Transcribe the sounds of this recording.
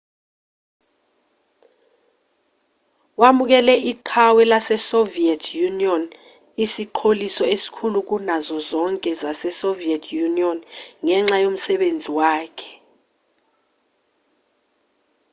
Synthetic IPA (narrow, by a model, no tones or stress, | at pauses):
wamuk̬ɛlɛʔiǃʰawɛlasɛsoviɛtʰjuniɔn | isiǃʰolisɔesi̥kʰuluk̬unazɔzɔŋkʼɛzasɛsoviɛtʰjuniɔnŋɛŋ͡ǁajom̩sɛɓend͡zʱiwaːkʰɛ̥